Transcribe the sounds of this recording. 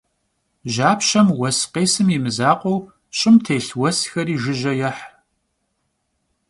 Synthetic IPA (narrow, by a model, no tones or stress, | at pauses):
ʒaːpɕɐmwɐsqeːsɨmimɨzaːqʷɔw | ɕʼɪmtʰeːɬwɐsxɐɾiːʒɪʒɐjɐħ